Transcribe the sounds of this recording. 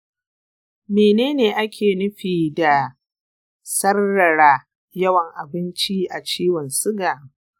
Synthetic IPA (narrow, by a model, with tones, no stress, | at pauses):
meː˨neː˦neː˨ʔa˦kʲʰeː˨nʊ˦ɸiː˨da˨ | sɐ˦rːɐ˨ɽaː˦ | jɐ˦wɐ˨ŋʔa˨bɪ˦nt͡ʃi˦ʔa˨t͡ʃiː˦wɔ˨nsʊ˦ɡaː˨